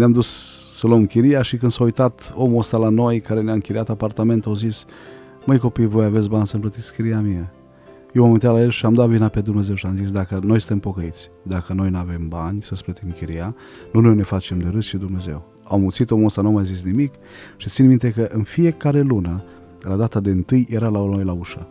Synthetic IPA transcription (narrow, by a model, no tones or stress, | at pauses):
neamd̪usːəlomkʲiɾijaʃikɨnd̪saujt̪at̪o̞muost̪alano̞jkaɾe̞neaɨŋkiɾiat̪apart̪ame̞nt̪awzis | məjko̞pijvo̞jave̞t̪sʲbanʲsəmplət̪itskʲiɾiamia | jewmamint̪alajelʃiamd̪avinape̞d̪umne̞ze̞wʃiamzis̬d̪akəno̞jsɨnt̪e̞mpo̞kəit̪sʲd̪akəno̞jnuave̞mbanʲsəsplət̪imkʲiɾija | nunojne̞fat͡ʃe̞md̪eɾɨst͡ʃid̪umne̞ze̞̰w | awmut̪sit̪o̞most̪anumajzis̬nimik | ʃit̪sinmint̪e̞kəʔɨnfije̞kaɾe̞lunə | lad̪at̪ad̪eɨnt̪ɨjjeɾalanojlauʃa